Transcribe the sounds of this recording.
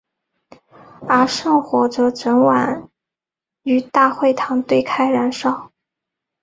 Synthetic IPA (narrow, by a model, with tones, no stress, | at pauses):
ə˞˧˥ʂɤ˥˧ŋxwɔ˧˥ʈ͡ʂɤ˧˥ʈ͡ʂə˧˥nwa̰˨˩˦n | y˧˥t̪a˥˧xwe˥˩ɪt̪ʰɑ˧˥ŋt̪we˥˧ɪkʰa˥ɪɻa˧˥nʂɑ˥˩ʊ